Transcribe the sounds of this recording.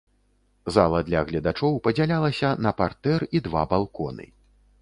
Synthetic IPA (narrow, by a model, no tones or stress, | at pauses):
zalˠɐd̪lʲɐɣlʲɐd̪at͡ʂɔwpɐd͡zʲalʲalˠɐsʲɐnɐpart̪ɛrid̪va̰balˠkɔnɨ̰